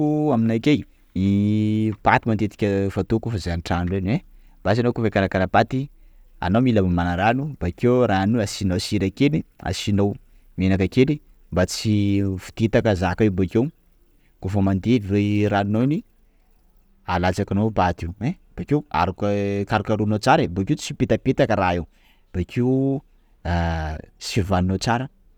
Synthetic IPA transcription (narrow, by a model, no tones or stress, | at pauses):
uaminajkej | i | pat̪imanet̪i̥kʲəfat̪ukufazaaniʈ͡ʂanurene | basianowkufakanakanapat̪i | a̰nomiləmamanaɾanub̥akewɾanuasinosiɾakelia̰sinow | menakakeli | mbat͡sifu̥t̪et̪akəzakaebokew | kofəmand̪eviweɾannoni | alat͡sakanobat̪iwe | b̥akewa̰ɾukkaɾakaɾunot͡saɾeboket͡sipet̪apet̪akəɾaew | b̥akʰiu | sivaninot͡saɾə